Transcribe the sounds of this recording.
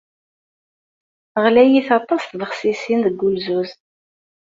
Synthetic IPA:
əʁlæjiθɑt̪ˤːɑsθðəχsisinðəɡːulzuz

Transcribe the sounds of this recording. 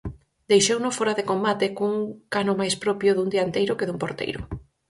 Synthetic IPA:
d̪ejʃownofoɾaðekombat̪ɪkuŋkanʊmajspɾɔpjʊðund̪iant̪ejɾʊkɪðumpoɾt̪ḛjɾʊ̰

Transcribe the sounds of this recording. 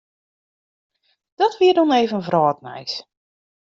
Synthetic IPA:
d̥ɔtʋiədɔneːvənvrɔːtnɛ̰js

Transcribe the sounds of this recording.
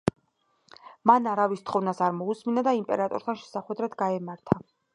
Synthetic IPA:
manaɾavist̪ʰχɔvnasaɾmɔusminad̪aimpʼɛ̰ɾat̪ʼɔ̰ɾt̪ʰanʃɛ̥saχwɛd̪ɾad̪ɡaɛmaɾt̪ʰa

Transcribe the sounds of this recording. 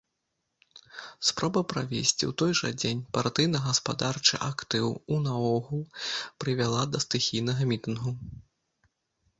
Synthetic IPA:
spɾɔbɐpɾavʲḛsʲt͡sʲḭwt̪ɔjʐɐ̰d͡zʲenʲpart̪ɨjnɐɣɐspad̪art͡ʂɨ̰ʔakt̪ɨwunɐɔɣulˠpɾɨvʲalˠad̪ɐst̪ɨxʲijnɐɣɐmʲit̪ɨnɣu

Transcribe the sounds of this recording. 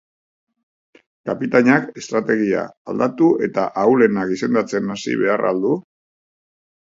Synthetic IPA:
kapit̪aɲake̞st̪ɾat̪e̞ɣ̞ia̰ald̪at̪ue̞t̪aʔawle̞nakɡise̞nd̪at͡se̞nasḭβe̞ara̰ld̪u

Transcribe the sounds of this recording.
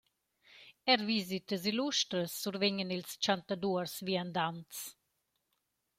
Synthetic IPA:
ɛɾvizit̪əz̬iluʃt̪ɾəsːuɾvɛɲənilst͡ʃant̪ad̪uəɾsviand̪ant̪t͡s

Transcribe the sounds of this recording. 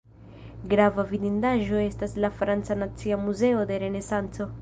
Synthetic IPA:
ɡɾavavidindaʒo̞e̞staslafɾant͡sanat͡siamuze̞o̞de̞ɾe̞ne̞sant͡so̞

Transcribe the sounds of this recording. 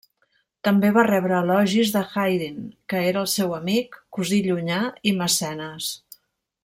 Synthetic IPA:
t̪əmbeβarɛβɾəːlɔʒizðəxajðinkəeɾəːlˠsɛwəmikːuziʎuɲaiməsɛnəs

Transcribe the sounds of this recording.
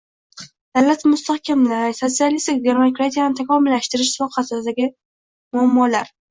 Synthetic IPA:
d̪̥awlat̪mʊst̪ahkʲʰamlasot̪sialist̪ɪkɡʲeɾmokɾat̪ʰijanɪt̪ʰakʲʰɒmɪlːaʃt̪ɪɾɪʃsfɒqʰasɪd̪aɡʲɪ | mʊamːɒlaɾ

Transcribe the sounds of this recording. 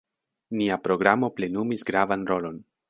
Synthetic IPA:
niapɾo̞ɡɾamo̞ple̞numisɡɾavanɾo̞lo̞n

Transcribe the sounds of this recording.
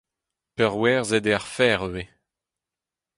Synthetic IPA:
pœʁwɛːʁzɛd̪eaʁfɛːʁøwe

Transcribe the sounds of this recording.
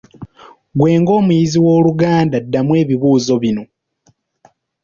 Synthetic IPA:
ɡwe̞ːŋɡo̞ːmujiziwo̞ːluɡaːndadːamwe̞ːβiβuːzo̞βino̞

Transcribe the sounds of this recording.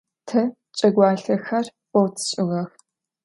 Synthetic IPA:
tʰɐ | t͡ʃʼɐɡʷaːɬɐxɐrqʷʼɔwtʰɕʼɪʁɐx

